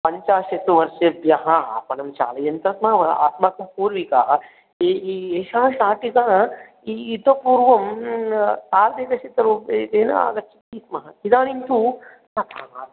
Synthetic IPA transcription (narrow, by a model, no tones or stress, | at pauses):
pɐɲt͡ʃaːʃɐsuʋɐɾʃɐbjɐɦɐa̰pɐnɐmt͡ʃa̰ːlɐjɐnt̪ɾɐsmɐɦɐʋɐa̰ːt̪maːkɐpuːɾʋika | eieːʃaːʃaːʈikaː | iːt̪opuːɾʋɐm | t̪aːld̪eːkɐʃit̪ɐɾued̪eːnɐ̰a̰ːɡɐt͡ʃʰi̥kiːsmɐɦɐkid̪aːnint̪ʰu | nɐt̪aːaː